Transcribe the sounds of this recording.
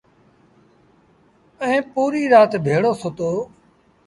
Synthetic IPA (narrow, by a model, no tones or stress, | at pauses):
əẽːpuːɾiːɾaːt̪bʱeːɽoːsoːt̪oː